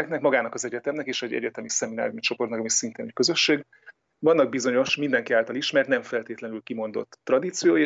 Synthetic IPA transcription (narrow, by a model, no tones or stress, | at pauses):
knɛkmɒɡaːnɒkɒzɛɟɛt̪ɛmnɛkeːʃɛɟɛ̰ɟɛt̪ɛmisɛmina̰ːɾumit͡ʃo̞po̞rt̪ɒkɒmisint̪eːnɛckø̞zø̞ʃːeːɡ | vɒnːɒɡ̚bizo̞ɲo̞ʃmind̪ɛŋkiaːlt̪ɒliʃmɛrt̪nɛɱfɛlt̪eːt̪lɛnylkimo̞nd̪o̞̰t̪ːrɒd̪it̪sijoːj